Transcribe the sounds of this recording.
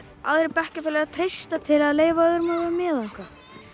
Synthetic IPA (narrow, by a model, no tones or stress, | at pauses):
a̰wðɾepɛhcɪfɛlɛɣaðt̪ʰɾejst̪at̪ʰɪlaðleːjvaœðʏɾmaɛmɛːðaŋ̥ka